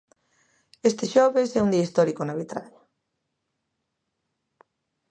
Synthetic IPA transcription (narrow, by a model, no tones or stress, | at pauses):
est̪ɪʃɔβesɛund̪iaist̪ɔɾikonaβit̪ɾaɲa